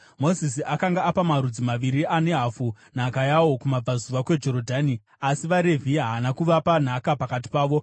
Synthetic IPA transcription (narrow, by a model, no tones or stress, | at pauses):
mo̞zisiakaŋɡaːpamaɾud͡zimaʋiɾiane̞ɦafu | n̤akajawo̞kumab͡vazuʋakwe̞d͡ʒo̞ɾo̞dʱaːni | asiʋaɾe̞vʱiɦanakuʋapan̤akapakat̬i̥paːʋo̞